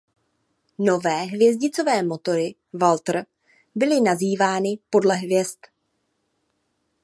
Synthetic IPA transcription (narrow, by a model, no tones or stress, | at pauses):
no̞vɛːɦvjɛzɟɪt͡so̞vɛːmo̞t̪o̞ɾɪ | valt̪r̩ | bɪlɪnaziːvaːnɪpo̞dlɛɦvjɛst̪